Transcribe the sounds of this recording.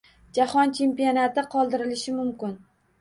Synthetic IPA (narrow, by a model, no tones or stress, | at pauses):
d͡ʒahɒnt͡ʃʰe̞mpijonat̪ɪqʰɒlˠd̪ɪɾɪlɪʃɪmʊmkʲɪn